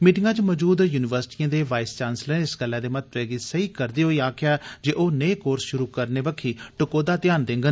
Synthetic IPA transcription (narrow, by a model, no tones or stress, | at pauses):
miːʈɪŋɡãːt͡ʃməd͡ʒuːd̪juːnɪʋəɾsɪ̥ʈiːãːd̪eːʋaːɪst͡ʃaːnslə̃nɪsɡəlːɛ̃ːd̪eːmət̪ʋɛːɡiːsəiːkəɾd̪iːɦoːiːaːkʰjaːd͡ʒeːʔoːneːkoːɾsʃʊɾuːkəɾneːbəkʰːiːʈʊkoːd̪aːt̪ɪjaːnd̪ẽːŋɡən